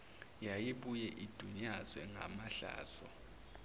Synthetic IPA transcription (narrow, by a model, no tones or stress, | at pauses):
jajiɓujɛʔid̥ʱuɲaz̥wɛŋʱa̰maɬa̰ːz̥ɔ